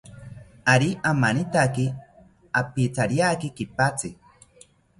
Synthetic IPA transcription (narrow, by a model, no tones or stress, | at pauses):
aɾiʔamanit̪aki | apit͡saɾjakikipat͡si